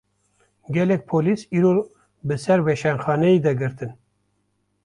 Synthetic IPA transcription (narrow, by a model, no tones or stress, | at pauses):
ɡʲɛlɛk̚pʰoːliːsiːɾo | bɨsɛɾwɛʃɛnxɑːnɛjed̪ɛɡɨɾt̪ɨn